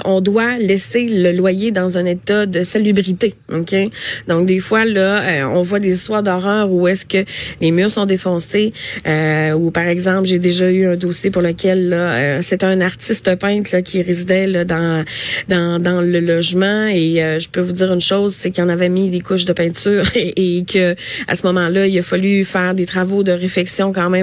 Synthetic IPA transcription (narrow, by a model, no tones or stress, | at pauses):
ʔɔ̃d̪walɛseləlwajed̪ɑ̃zɛ̃net̪ad̪əsalybʁit̪eokʲʰed̪ɔ̃k̚d̪efwalʌøɔ̰̃vwad̪ezist̪waːʁd̪ɔʁœːʁuɛskʲəlemyːʁsɔ̃d̪efɔ̃seøupaʁɛɡzɑ̃plʒed̪eʒayœ̃d̪oːsjepuʁləkʲɛlːʌøset̪ɛɛ̃naʁt̪ɪst̪əpɛ̃t̪lʌkʲʰiʁezid̪ɛlʌd̪ɑ̃d̪ɑ̃d̪ɑ̃ləlɔʒmɑ̃eøʒəpøvud͡ziːʁynʃoʊzsekiɑ̃navɛmid̪ekʊʃd̪əpɛ̃t̪yːʁekʲʰəa̰səmɔmɑ̃lʌilafalyfɛːʁd̪et̪ʁavod̪əʁeflɛksjɔ̃kɑ̃mɛ̃m